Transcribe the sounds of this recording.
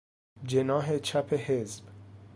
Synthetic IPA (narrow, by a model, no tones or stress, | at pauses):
d͡ʒenɒːɦet͡ʃʰæpʰehezb̥